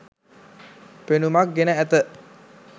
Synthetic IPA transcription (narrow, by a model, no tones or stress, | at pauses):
penumak̚ɡenaɛt̪əʔ